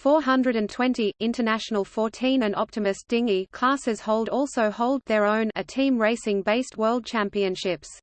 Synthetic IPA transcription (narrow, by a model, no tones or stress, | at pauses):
fɔːɦʌ̃ndɹəɾɨ̃ntʰw̥ɛ̃ntiʔɪ̃ntʰənæʃənəlˠfɔɹtʰĩnɨ̃nʔɒp̚təmɨsd̥ɪ̃ŋikʰl̥ɑˑsɪz̥hoʊlˠdɔˑlˠsəʊhoʊlˠd̪̚ðə˞ə̃ʊ̃nɨtʰĩmɹeɪsɪ̃ŋbeɪst̚wɜːlˠd̚t͡ʃʰæ̃mpiɨ̃nʃɪps